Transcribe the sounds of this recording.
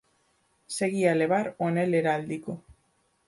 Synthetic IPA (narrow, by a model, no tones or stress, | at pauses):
se̞ɣiale̞βaɾo̞ne̞le̞ɾaːld̪iko